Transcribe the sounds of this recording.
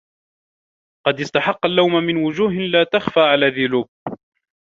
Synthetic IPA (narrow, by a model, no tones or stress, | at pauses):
qɑd̪ɪst̪aħɑqːalːawmamɪnwʊd͡ʒuːɦɪlaːt̪axfaːʕalaːðʊluːb̚